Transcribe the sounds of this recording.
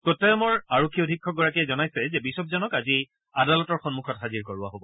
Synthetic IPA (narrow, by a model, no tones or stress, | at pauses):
kotːajɔmɔɹaɹokʰːiodʱikʰːɔɡɔɹakiɛzɔnajsɛzɛbisɔb̚zɔnɔkazi | adalɔtɔɹxɔnmukʰɔtxaziɹkɔɹʊa̰ɦobɔ